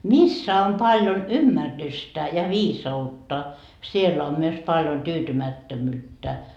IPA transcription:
misːæ om pɑljon ymːærːystæ jɑ ʋiːsɑutːɑ sielːæ om myøs pɑljon tyːtymætːømyːtːæ

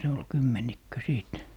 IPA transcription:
se ol kymːenikːø siˑt

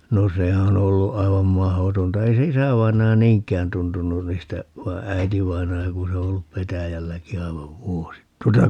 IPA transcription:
no se on olːu ɑiʋɑm mɑhotontɑ ei se isæʋɑinɑjɑ niːŋkˑæːn tuntunun niːstæ ʋɑi̯ æitiʋɑinɑjɑ ku se o olːup petæjælːæki ɑiʋɑʋ ʋuosit tuotɑ

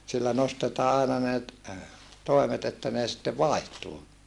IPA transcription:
silːæ nostetɑː ɑinɑ ne t toimet etːæ neː sĭtːe ʋɑˑi̯htuː

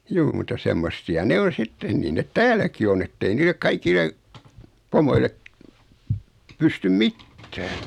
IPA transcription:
juː mutɑ semːosːiɑ ne on̞ sitːeː niːn net tæːlˑæki on etːei niːlek kɑikilːe pomoile pystym mitːæː

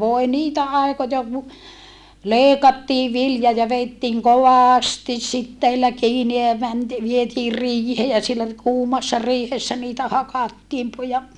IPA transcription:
ʋoe niːtæ ɑˑikojɑ ku leˑikɑtːiː ʋiljɑ jɑ ʋeitːiːŋ koʋɑˑstis sitːeilːæ kiːni jɑ mænti ʋietiːr riːheː jɑ sielːæ kuːmɑsːɑ riːhesːæ niːtæ hɑkɑtːiːm pu jɑ

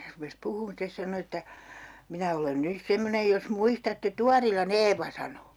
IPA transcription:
rupes puhuːn stes sɑno etːæ minæ olen nys semːonej jos muistɑtːe tuɑrilɑn eːʋɑ sɑno

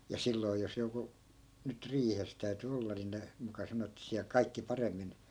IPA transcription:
jɑ jɑ silːoi̯ jos joku nyt riːhes tæy̞ty olːɑ ni ne mukɑ sɑno etːæ̆ siæl kɑikːi pɑremːin

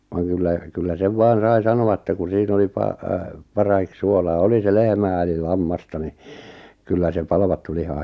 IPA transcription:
ʋɑŋ kylːæ kylːæ seʋ ʋɑːn̞ sɑi sɑnoɑ ĕtːæ ku siːn oli pɑ pɑrɑhik suolɑː oli se lehmæː eli lɑmːɑstɑ ni kylːæ se pɑlʋɑtːu lihɑ

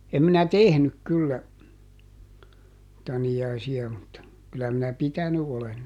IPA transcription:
em minæ tehnyk kylːæ tɑniɑisiɑ mutːɑ kylːæ minæ pitæny olen

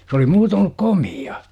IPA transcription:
s oli muːtoːn olːuk komiɑ

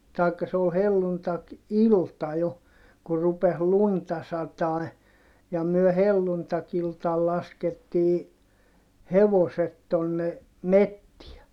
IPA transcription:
tɑikːɑ se ol helːuntɑkiltɑ jo kur rupes luntɑ sɑtɑˑi̯ jɑ myø helːuntɑkiltɑl lɑsketːiː heʋoset tonːe metːiɛ

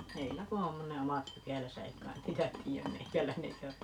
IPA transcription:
heilːæ ku om ne omɑt pykælæsæ ei kɑin niːtæ tiːæm meikælæine eikæ

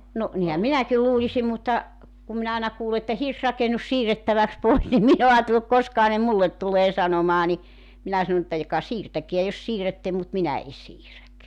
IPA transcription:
no nihæm minækil luːlisim mutːɑ kum minæ ɑˑenɑ kuːle etːæ hirsrɑkenus siːrːetːæʋæks pois nim min o ɑːtelːuk koskɑhɑ ne mulːet tuleː sɑnomɑː ni minæ sɑnŏ ĕtːæ jokɑ siːrtækeæ jos siːrætːe mut minæ e siːræk

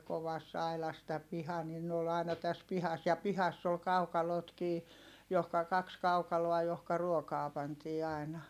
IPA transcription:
koʋɑsː ɑilɑs tæ pihɑ nin n oːl ɑinɑ tæs pihɑs jɑ pihɑsː ol kɑukɑlotkiː johkɑ kɑks kɑukɑloɑ johkɑ ruokɑː pɑntiː ɑˑi̯nɑ

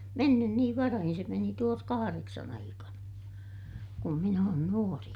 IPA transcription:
menːyn niːʋ ʋɑrɑhin se meni tuos kɑhɑreksɑn ɑikɑnɑ kum min oːn nuori

